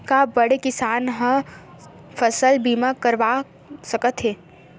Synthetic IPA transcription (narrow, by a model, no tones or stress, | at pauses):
kabɐɽekɪsaːnɦə̃ | fəsəlbiːmakəɾʋa | səkət̪ɦɛː